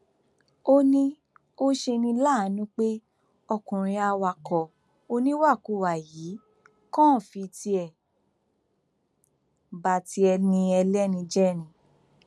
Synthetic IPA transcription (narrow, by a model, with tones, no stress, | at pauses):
o˧˦nĩ˧ | o˦ʃe˧nĩ˧la˦˨˦nũ˦k͡pe˦ | ɔ˧kũ˨ɾ̃ĩ˧a˧wa˧˨kɔ˨ | o˧nĩ˦wa˦˨ku˨˧˨wa˨jiː˨˦ | kɔ̃˦˨fi˧ti˧ɛ˨ | ba˨ti˧˦ɛ˧nĩ˧ɛ˧lɛ˦nĩ˧d͡ʒɛ˦˨ñĩ˨